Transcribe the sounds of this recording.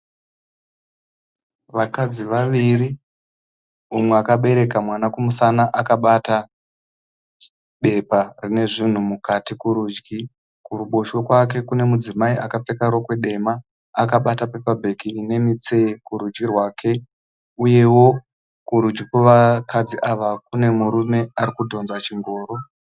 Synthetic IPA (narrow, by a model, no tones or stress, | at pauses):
ʋakad͡ziʋaʋiri | umweakaɓe̞ɾe̞kamwanakumusanaʔakaɓata | ɓe̞parine̞ʐin̤umukatikuɾuːd͡ʒɡi | kuruɓo̞ʃo̞kwak̬e̞kune̞mud͡zimaiʔakap͡fe̞kaɾwokwe̞ɗe̞maː | kaɓatape̞pabʱe̞kine̞mit͡se̞kuɾud͡ʒɡirwaːkʰe̞ | uje̞wo̞ | kuɾud͡ʒɡikoʋakad͡ziʔaʋakune̞muɾume̞aɾikudʱo̞nzat͡ʃiŋɡo̞ːɾo̞